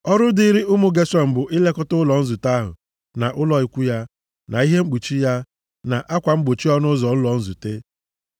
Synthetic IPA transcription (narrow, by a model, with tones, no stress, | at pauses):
ɔ˦ɾʊ˦di˦ɾi˦ʊ˦mu˦ɡe˦sɔ˨m̩˨bʊ˨ʔi˦le˦kʊ˦tʊ˦lɔ˨n̩˦zu˨ta˦ɦʊ̰˨ | na˨ʔʊ˦lɔ˨i˦kʷu˦ja˦ | na˨i˦ɦe˦ŋ͡m̩˦ɡ͡bu˨t͡ʃi˦ja˦ | na˨ʔa˦kʷa˨ŋ͡m̩˦ɡ͡bo˨t͡ʃi˦ɔ˦nʊ˦zɔ˨n̩˦lɔ˨n̩˦zṵ˨te˦